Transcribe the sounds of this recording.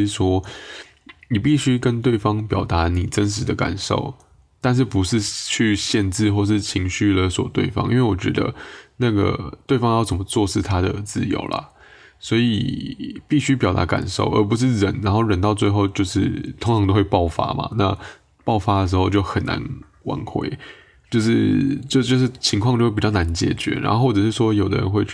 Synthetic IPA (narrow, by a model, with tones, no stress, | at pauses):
ʂwɔ˥ | ni˨˩pi˥˩ɕy˥kə˦˥nt̪we˥˩ɪfɑ˥ŋpjɑ˨˩ʊt̪a˧˥ni˨˩ʈ͡ʂə˦˥nʂ̬ɻ̩˧˥d̪ə˧ka̰˨˩nʂo̰˥˩ʊ | t̪a˥˧nʂ̬ɻ̩˥˩pu˧˦ʂɻ̩˥˧t͡ɕʰy˥˧ɕjɛ˥˧nt͡sɻ̩˥˧xwɔ˥˧ʂ̬ɻ̩˥˩t͡ɕʰi˧˥ŋɕy˥˩lə˩swɔ̰˨˩t̪wḛ˥˩ɪfɑ̰˥ŋʔḭ˥nwe˥˩wɔ˨˩t͡ɕɥɛ̰˧˥d̪ə̰˧na˥˩ɡə̰˩t̪we˥˩ɪfɑ˥ŋjʊt͡sə˨˩mə˦t͡swɔ˥˧ʂɻ̩˥˩t̪ʰa˥d̪ə˨t͡sɹ̩˥˩jo̰˧˥ʊlʔɐ̰˨˩ | swɔ˧˥ḭ˨˩pi˥˩ɕy˥p̬jɑ˨˩t̪a̰˧˥ka̰˨˩nʂo̰˥˩ʊʔə̰˧˥pu˧˦ʂ̬ɻ̩˥˩ɻə˧˦nɻa˧˥nxo˥˩ʊɻə˧˥nt̪ɑ˥˧ʊt͡swe˥˧ɪxo˥˧ʊt͡ɕjo˥˧ʊʂɻ̩˥˩t̪ʰʊ˥ŋʈ͡ʂʰɑ˧ŋt̪o˥xwe˥˧ɪpɑ˥˩ʊfa̰˥ma̰˨˩na̰˥˧ | pɑ˥˩ʊfa˥d̪ə˨ʂɻ̩˧˥xo˥˧ʊt͡ɕjo˥˩ʊxə˨˩nːa̰˧˦n | wa̰˧˥ŋxwḛ˥˩ɪ | t͡ɕjo˥˧ʊʂɻ̩˥˩t͡ɕjo˥˧ʊt͡ɕjo˥˧ʊʂ̬ɻ̩˥˩t͡ɕʰi˧˥ŋkʰwɑ˥˧ŋt͡ɕjwpi˨˩t͡ɕɑ˥˩na˧˦nt͡ɕjɛ̰˨˩˦t͡ɕɥɛ̰˧˥ɻa̰˧˥nxo˥˧xwɔ˥˩ʈ͡ʂə˨˩ʂɻ̩˥˩ʂwɔ˥jo˨˩ʊd̪ə̰˦ɻə̰˧˦nxwe˥˧ɪ˥˩